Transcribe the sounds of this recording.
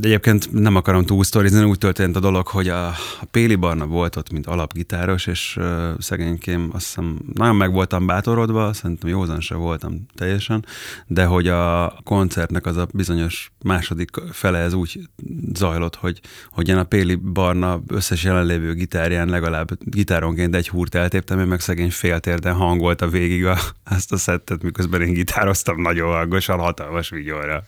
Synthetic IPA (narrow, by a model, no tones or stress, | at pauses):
ɛɟeːp̚keːnt̪nɛmɒkɒɾo̞mt̪uːlst̪o̞ɾizɒnuːc̚t̪ørt̪eːnt̪ɒd̪o̞lo̞kho̞ɟɒpeːlibɒrnɒvo̞lt̪o̞t̪mint̪ɒlɒbɡit̪aːɾo̞ʃeːʃsɛɡeːɲkeːmɒ̰st̪ɛnnɒɟo̞mːɛɡʋo̞lt̪ɒmbaːt̪o̞ɾo̞d̪ʋɒsɛɾint̪ɛmjoːzɒnʃɛ̰vo̞lt̪ɒ̰mt̪ɛjːɛʃɛnd̪ɛɦo̞ɟɒko̞nt̪sɛrt̪nɛkɒzɒbizo̞ɲo̞ʃmaːʃo̞d̪ikfɛlɛɦɛzuːɟzɒjlo̞t̪ho̞ɟho̞ɟeːnɒpeːlibɒrnɒøsːɛʃjɛlɛnleːvøːɡit̪aːɾijaːnlɛɡɒlaːbɡit̪aːɾo̞ŋkeːnt̪ɛɟhuːrt̪ɛlt̪eːp̚t̪ɛmøːmmɛksɛɡeːɲfeːlt̪eːrd̪ɛnɦɒŋɡo̞lt̪ɒveːɡiɡɒɛst̪ɒsɛt̪ːɛt̪mikøzbɛneːŋɡit̪ʰaːɾo̞st̪ɒmnɒɟoɒɡːoʃɒnɦɒt̪ɒlmɒʃʋiɟoːɾɒ